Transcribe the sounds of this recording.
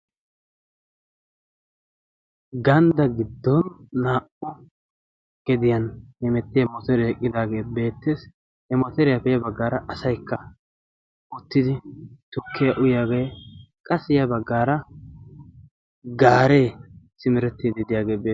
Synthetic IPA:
ɡɐnd̪ɐɡɪd̪ːɔnːaːʔʊ | ɡ̥ɛd̪ɪjɐnhɛmɛt̪ːɪjɐmɔt̪ɛɾɛɛkʼːɪd̪aːɡe̞ːbe̞ːt̪ːeːs | hɛmɔt̪ɛɾɛjɐpɛjɐbɐɡːaːɾɐʔɐsɐjkːɐ | ʊt̪ːɪd̪ɪt̪ʊkʰːɪjaʔʊjaːɡeː | kʼɐsɪjɐbɐɡːaːɾɐ | ɡaːɾe̞ːsɪmɪɾɛt̪ːiːd̪ɪd̪ɪjaːɡe̞ːbeː

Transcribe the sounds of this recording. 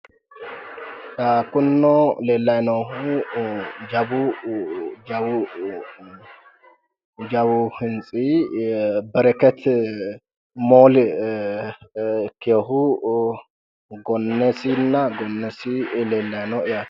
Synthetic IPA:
akʊnːɔleːlːɐjnɔhʊ | d͡ʒɐbʊ | d͡ʒɐbʊ | d͡ʒɐbʊhɪnt͡sʼi | bɛɾɛkɛt̪ | moːl | kɛɔɦʊ | ɡɔnːɛsɪnːɐɡɔnːɛsɪleːlːɐjnɔɪja

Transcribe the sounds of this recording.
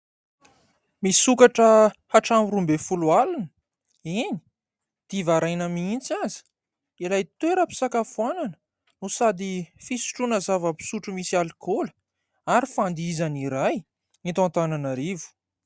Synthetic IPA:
misukaʈ͡ʂəhaʈ͡ʂamiɾumbefulualunə̥ | eni̥ | d̪̥ivaɾajnəmiint͡sazi̥ | ilajt̪eɾapi̥sakafuananə̥ | nusad̪ifisu̥ʈ͡ʂunəzavəpi̥suʈ͡ʂumisialikolə̥ | aɾifand̪izaniɾaj | it̪ant̪ananaɾivu̥

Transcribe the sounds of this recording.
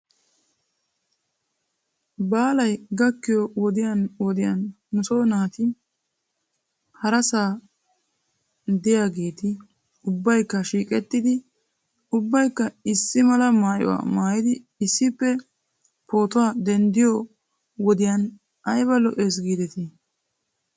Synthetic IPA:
baːlɐjɡɐkːɪjɔwɔd̪ɪjɐnwɔd̪ɪjɐnː | ʊsoːnaːt̪ɪ | hɐɾɐsaː | d̪ɪjaːɡe̞ːt̪ɪ | ʊbːɐjkːɐʃiːkʼɛt̪ːɪd̪ɪ | ʊbːɐjkːɐɪsːɪmɐlɐmaːjɔ̰wa̰ːmaːjɪd̪ɪː | sːɪpːɛ | po̞ːt̪ʊwaːd̪ɛnd̪ɪjɔ | wɔd̪ɪjɐn | ɐjbɐlɔʔeːs̬ɡiːd̪ɛt̪ɪ

